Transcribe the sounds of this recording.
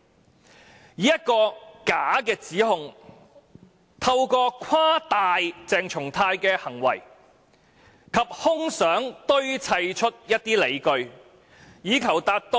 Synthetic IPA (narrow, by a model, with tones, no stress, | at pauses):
jiː˨jɐ˥t̚kɔː˧kaː˨˥kɛː˧t͡siː˨˥ɦʊ˧ŋ | t̪ʰɐ˧wkɔː˧kʰwaː˥t̪aː˨˧jt͡sɛː˧ŋt͡ʃʰʊ˨˩ŋt̪ʰaː˧jkɛː˧hɐ˨˩ŋwɐ̰˨˩j | kʰɐ˨p̚hʊ˥ŋsœː˨˥ŋt̪ɵ˥ɥt͡sʰɐ˧jt͡ʃʰɵ˥t̚jɐ˥t̚t̪iː˥le˨˧jkɵ˧ɥ | jiː˨˥kʰɐ˨˩wt̪aː˧t̚t̪o˥